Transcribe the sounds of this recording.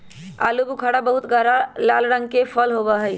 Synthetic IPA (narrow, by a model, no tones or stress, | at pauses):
a̰ːlubukʰaɽabəɦut̪ɡaɾalaːlɾə̃ŋɡ̚kepʰəlɦobaɦəj